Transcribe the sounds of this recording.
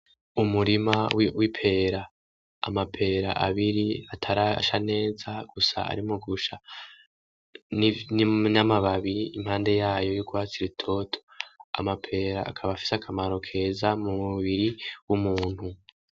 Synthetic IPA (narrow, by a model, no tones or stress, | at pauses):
umuɾimawwipʰe̞ːɾa̰ː | mapʰe̞ːɾa̰ʔa̰βiɾiatʰaɾaʃane̞ːzaɡ̥usa̰a̰ɾimoɡuʃa | nnamaβaβiimhaːnde̞jaːjo̞juɡwaːt͡siɾitʰo̞tʰo̥a̰mapʰe̞ːɾaʔːkʰaβafi̥sakʰamaɾo̞kʰe̞ːzamumuβiɾiwumuːn̥hu